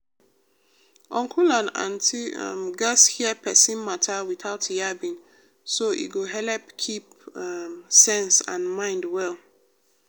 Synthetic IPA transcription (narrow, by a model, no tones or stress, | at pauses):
ʔɔ̃ŋkʰulãnã̰ntʰḭmɡashiɛpʰɛsĩnmatʰawiθaʊtjabĩŋ | soʔḭɡoɦɛlɛpkʰip | msɛ̃nsã̰nmãɪ̃ndwɛl